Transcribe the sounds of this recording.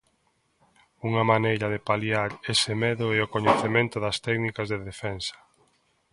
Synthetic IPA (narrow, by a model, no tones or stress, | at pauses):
uŋɐmanejɾɐðepaljaɾesɪmɛðʊɛokoɲeθemẽnt̪ʊðɐst̪ɛknikɐzðeðefɛnsɐ̥